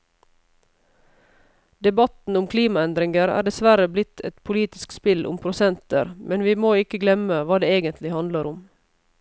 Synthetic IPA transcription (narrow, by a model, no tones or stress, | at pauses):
d̪ɛbɑt̪n̩ʊmkʰliːmɑɛnd̪ɾɪŋəɾæ̰ːɖɛsʋæɾəblɪt̪ʰɛ̰t̪pʰʊliːt̪ɪskspɪlʔʊ̰mpʰɾʊsɛnt̪ə̰ɾmɛnʋiːmoːɪkəɡlɛməʋɑːd̪eːeːɡənt̪ʰlɪhɑnd̪ləɾʊm